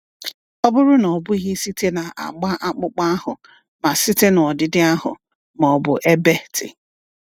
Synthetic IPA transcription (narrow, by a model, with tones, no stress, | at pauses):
ɔ˦bʊ˦ɾʊ˦nɔ˨bʊ˦i˦ɦe˦si˦te˦na˨ʔa̰˨ɡ͡ba˦ʔa˦k͡pʊ˦k͡pa˦a˦hʊ˨ | ma˨si˦te˦n˨ɔ˨dɪ˨dɪ˦a˦ɦʊ̰˨ | mɔ˨bʊ˨ʔe˦be˦tɪ̰˨